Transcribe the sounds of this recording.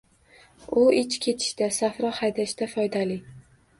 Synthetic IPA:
ʊɪt͡ʃkʲʰe̞t̪ʰɪ̥ʃd̪asafɾɒhajd̪aʃd̪afɒjd̪alɪ

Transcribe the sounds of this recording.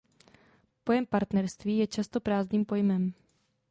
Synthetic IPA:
po̞jɛmpaɾt̪nɛɾst̪viːjɛt͡ʃast̪o̞pɾaːzɲiːmpo̞jmɛm

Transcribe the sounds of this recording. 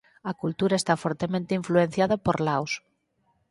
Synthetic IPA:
akult̪uɾaest̪afoɾt̪emẽnt̪eiɱfluen̟θjaðapoɾlaws

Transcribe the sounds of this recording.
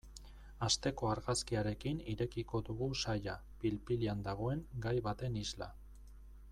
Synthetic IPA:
ast̪e̞ko̞aɾɣaskiaɾe̞kiniɾe̞kiko̞ðuɣusaja | pilpiliand̪aɣ̞o̞e̞ŋɡajβat̪e̞nizla̰

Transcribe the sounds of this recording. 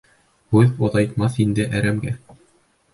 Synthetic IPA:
hʉðŏðɑjt̪mɑθind̪ɘʔæɾæmɡæ

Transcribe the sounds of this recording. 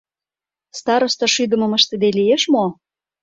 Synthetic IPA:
st̪ɑɾŏʃt̪ɤ̆ʃyd̪ə̆mɤ̆mə̆ʃt̪ə̆d̪elijeʃmo

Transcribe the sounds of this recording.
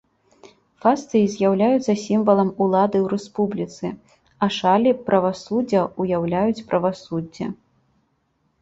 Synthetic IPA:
fast̪ɨizʲjawlʲajut̪sɐsʲimvɐlˠɐmulˠad̪ɨwɾɛspublʲit̪sɨ | ɐʂalʲipɾʔɐvasud͡zʲːɐujawlʲajut͡sʲpɾʔɐvasud͡zʲːɐ̰

